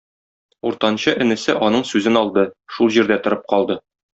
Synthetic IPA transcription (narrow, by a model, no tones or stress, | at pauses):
uɾt̪ɑnɕɤʔɘ̆nɘ̆sɘʔɒnɤɴsʉzɘnɒlˠd̪ɤʃulˠʑiɾd̪æt̪ŏɾɤp̚qɒlˠd̪ɤ